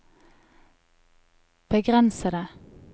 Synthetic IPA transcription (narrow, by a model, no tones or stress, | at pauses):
b̥əɡʁɛnsəd̪ə